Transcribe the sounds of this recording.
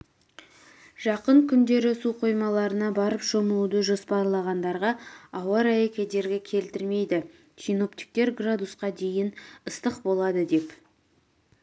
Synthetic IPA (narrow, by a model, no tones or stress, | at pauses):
ʒ̥ɑqəɴkʲʰʏnd̪e̞ɾɪsuqʰo̞jmɑlˠɑɾənɑbɑɾəpʒoməlˠud̪əʒo̞spɑɾlˠɑʁɑnd̪ɑɾʁɑɑwɑɾɑjekʲʰe̞d̪e̞ɾɡʲɪkʲʰe̞lt̪ɪɾme̞jd̪ɪ | ʃino̞p̚t̪i̥k̚t̪e̞ɾɡrad̪usqɑd̪e̞jɪnəst̪əqbo̞lˠɑd̪əd̪e̞p